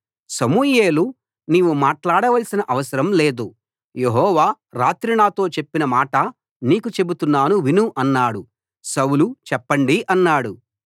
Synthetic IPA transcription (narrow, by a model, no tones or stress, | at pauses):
sɐmuːjeːlu | niːʋumaːʈlaːɽɐʋɐlsinɐʔɐʋɐsɐɾɐmle̞ːd̪u | je̞ɦɔːʋaː | ɾaːt̪ɾiɳaːt̪o̞ːt͡ʃe̞pːinɐmaːʈɐ | niːkut͡ʃe̞but̪unːaːnuʋinuʔɐnːaːɽu | sɐwulut͡ʃɛpːɐɳɖiʔɐnːaːɽu